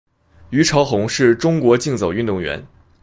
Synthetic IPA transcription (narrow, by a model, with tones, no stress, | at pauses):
y˧˥ʈ͡ʂʰɑ˧˥ʊxʊ˧˥ŋʂɻ̩˥˩ʈ͡ʂʊ˥ŋkwɔ˧˥t͡ɕi˥˩ŋt͡so˨˩ʊy˥˧nt̪ʊ˥˩ŋɥɛ̰˧˥n